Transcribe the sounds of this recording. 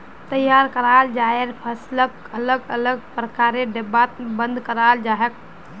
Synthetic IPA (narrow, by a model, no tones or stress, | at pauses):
t̪əjaɾkəɾald͡ʒaeɾpʰəslək | ələɡələɡ̚pɾəkaɾeɖebat̪bə̃nd̪ʱkəɾald͡ʒaɦək̚